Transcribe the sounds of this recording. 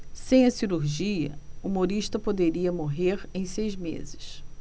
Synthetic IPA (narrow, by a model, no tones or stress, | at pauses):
sẽj̃ɐsiɾuɾʒiɐ̰umoɾiʃt̪ɐpod̪eɾiɐmoɦeɾẽj̃sejzmḛzɪs